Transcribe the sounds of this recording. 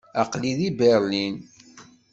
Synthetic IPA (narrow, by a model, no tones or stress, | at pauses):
æqliðibɛɾlin